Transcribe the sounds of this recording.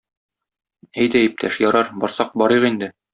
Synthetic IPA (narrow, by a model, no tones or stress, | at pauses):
æjd̪æip̚t̪ʰæʃjɒɾɑɾbɒɾsɑq̚bɒɾɤʁind̪ɘ